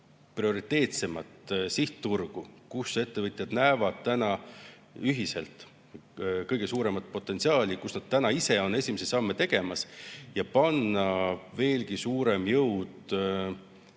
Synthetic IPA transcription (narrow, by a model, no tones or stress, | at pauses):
prio̞ɾit̪ːˑe̞ːt̪se̞mɑt̪siht̪t̪ːurɡ̥ukuse̞t̪ːe̞vɤt̪ʲˑjɑd̪̥næːvɑd̪̥̚t̪ænɑ | yɦise̞̰lt̪ˑ | kɤjɡ̥e̞suːɾe̞mɑt̪̚po̞t̪ːˑe̞nt̪siɑːlʲikusnɑd̪̥̚t̪ænɑise̞o̞nːe̞sʲimesisɑmːet̪e̞ɡ̥e̞mɑsjɑpɑnːɑve̞ːlɡisuːɾemjɤwd̪